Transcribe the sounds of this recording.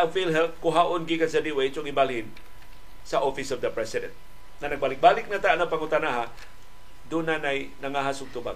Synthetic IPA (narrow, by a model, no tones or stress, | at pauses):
afilɦɛlt̚kʊɦaʔʊnɡikasɐd̪iwait͡ʃoɡibalhɪn | sɐʔofɪsɔvd̪ɐpɹɛsɪdɛ̰̃nt̪̚ | nanɐɡ̚balɪk̚balɪk̚nat̪aʔnapaŋʊt̪anaɦa | d̪ʊnanaj | nɐŋaɦasʊɡ̚t̪ʊba̰